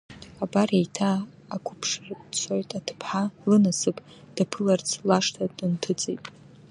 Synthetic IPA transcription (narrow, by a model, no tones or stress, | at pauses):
abarejtʰaː | kʷʰʊpʰʂrt͡sʷʰojtʼatʰɨ̥pʰħalɨnasɨpʼ | d̥apʰɨlart͡sʰlaʂtʰadɨntʰɨt͡sʼejtʼ